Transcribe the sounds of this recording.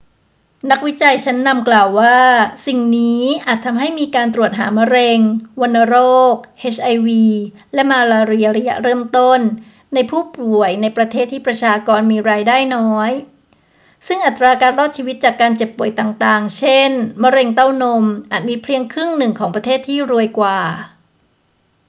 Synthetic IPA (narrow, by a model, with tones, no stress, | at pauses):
na˦˥k̚wi˦˥t͡ɕa˧jt͡ɕʰa˦˥nːa˧mklaː˨˩wːaː˥˩si˨˩ŋniː˦˥ʔaː˨˩t̪ʰːa˧mɦa˥˩jmiː˧kaː˧nt̪ɾu˨˩ət̪̚ɦaː˩˦ma˧˥ɾe˧ŋwo˧nːa˧ɾoː˥˩k̚ʔe˦˥t͡ɕʰʔa˧jwiː˧ | lɛ˦˥maː˧laː˧ɾi˧ɐ˧ɾa˧ja̰˦˥ɾɤː˥˩mt̪o˥˩nː | a˧jpʰuː˥˩pu˨˩əjna˧jpɾa˧t̪ʰeː˥˩t̪ʰːiː˥˩pɾa˧t͡ɕʰaː˧kɔː˧nmiː˧ɾaː˧jdaː˥˩jnɔː˦˥j | sɯ˥˩ŋʔa˨˩t̪ɾaː˧kaː˧nɾɔː˥˩t̪̚t͡ɕʰiː˧wi˦˥t̪̚t͡ɕaː˨˩kːaː˧nt͡ɕe˨˩pːu˨˩əjt̪aː˨˩ŋt̪aː˨˩ŋt͡ɕʰe˥˩nma˧ɾe˧ŋt̪a˥˩wno˧mʔaː˨˩t̪̚miː˧pʰli˧əŋkʰɾɯ˥˩ŋnɯ˨˩ŋkʰɔː˩˦pɾa˧t̪ʰeː˥˩t̪ʰːiː˥˩ɾu˧əjkwaː˨˩